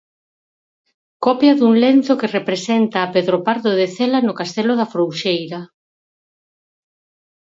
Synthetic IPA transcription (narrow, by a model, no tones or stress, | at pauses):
kɔpjɐðuŋlen̟θokerepɾesent̪aːpeðɾopaɾðoðeθelanʊkast̪ɛloðafɾowʃejɾa